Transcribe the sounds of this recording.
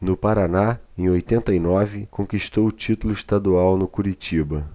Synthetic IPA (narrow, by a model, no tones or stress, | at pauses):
nʊpaɾanaẽj̃ojt̪ẽnt̪ɐinɔvɪkõŋkiʃt̪owʊt͡ʃit̪ulʊiʃt̪ad̪uawnʊkuɾit͡ʃibɐ